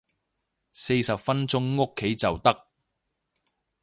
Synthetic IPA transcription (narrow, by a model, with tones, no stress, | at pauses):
se˧jsɐ˨pfɐ˥nt͡sʊ˥ŋːʊ˥kʰːe˨˥jt͡sɐ˨wt̪ɐ˥k̚